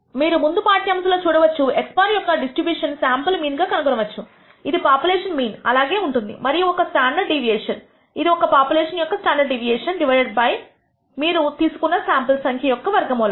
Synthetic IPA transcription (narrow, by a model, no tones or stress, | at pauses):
miːɾumund̪upaːʈjɐms̬lo̞ːt͡ʃuːɽɐʋɐt͡ʃːuekspaːɾjɔkːɐɖisʈɾibjuːʂɐnsaːmpɐlmiːnɡaːkɐnɐɡɔɾɐʋɐt͡ʃːu | id̪ipaːpjulɛːʂɐnmiːnɐ̰laːɡe̞ːuɳʈund̪ḭmɐɾijuɔkɐsʈaːɳɖɐɖɖiʋijɛːʂɐn | id̪iɔkɐpaːpjulɛːʂɐnjɔkːɐsʈaːɳɖɐɾɖɖiʋijeːʂɐnɖiʋɐjɖɐɖ̚bɐj | miːɾut̪iːsu̥kunːɐsaːmpɐlsɐŋkʰjɐjɔkːɐʋɐɾɡɐmɔːlɐ